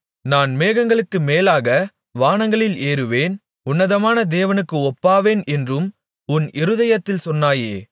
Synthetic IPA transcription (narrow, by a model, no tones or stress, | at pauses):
naːnmeːɣɐŋɡɐɭɯkːɯmeːlaːɣɐ | ʋaːnɐŋɡɐɭɪleːɾɯʋeːn | ʊnːɐðɐmaːnɐd̪eːʋɐnɯkːɯɔpːaːʋeːnɛndrɯm | ʊnɪɾɯðɐjɐt̪ːɪlsɔnːaːjeː